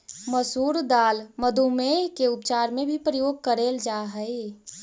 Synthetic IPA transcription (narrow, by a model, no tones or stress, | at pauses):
məsuːɾd̪aːlməd̪ʱumeɦkeʊpt͡ʃaːɾmẽbʱipɾəjoːɡ̚kəɾeːld͡ʒaːɦəe